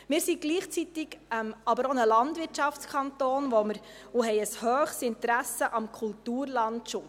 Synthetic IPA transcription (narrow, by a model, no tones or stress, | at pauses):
mɪːɾsiɡ̥liːχt͡sit̪ɪɡɛmɑbəɾɔnəlɑndʋɪɾtt͡ʃɑft͡skʰɑnt̪oːnʋɔməɾ | oɦɛɪəshœːχsɪnt̪ɾæsəʔɑmkʰultuːɾlɑntʃʊ